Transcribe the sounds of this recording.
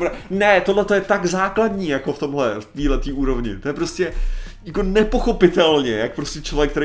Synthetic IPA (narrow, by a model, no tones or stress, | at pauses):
ɾanɛt̪odlɛt̪o̞jɛt̪aɡzaːkladɲiːjako̞ft̪o̞mɦlɛft̪iːlɛt̪iːʔuːɾo̞vɲɪ̰t̪o̞jɛpɾo̞scɛjakonɛpo̞xo̞pɪt̪ɛlɲɛjak̚pɾoscɛt͡ʃlo̞vjɛkt̪ɛɾe